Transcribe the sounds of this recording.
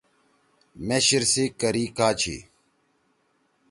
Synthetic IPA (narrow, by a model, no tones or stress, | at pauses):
meːɕiɾsikɐɾiːkaːt͡ɕʰḭ